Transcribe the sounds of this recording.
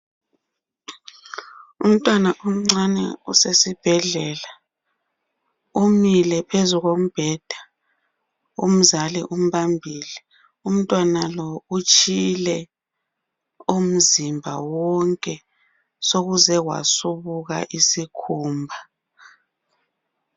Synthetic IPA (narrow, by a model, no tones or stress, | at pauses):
um̩tʼwanaʔum̩ŋ͡ǀanɛ̰usesib̥ʱɛɮɛla | umilɛpʰezuɣom̩b̥ʱɛd̥ʱa | um̩zalḭʔum̩βambʱiːlɛ | um̩tʼwanalɔut͡ʃʼilɛ | um̩zimbʱa̰wɔŋkʼɛ | soɣuzɛwa̰suβuɣa̰ʔisikʰuːmbʱa